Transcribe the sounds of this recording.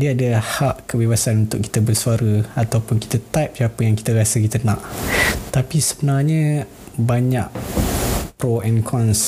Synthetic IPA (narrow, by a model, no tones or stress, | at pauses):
diəadəhaʔkəbebasanunt̪ʊk̚ːi̥t̪əbərsuaɾəat̪awpʊnki̥t̪ət̪ap̚japəjaŋki̥t̪əɾasəkit̪ənã̰ʔt̪apisəbənarɲə | baɲaʔ | pɾoɛnkʰɔns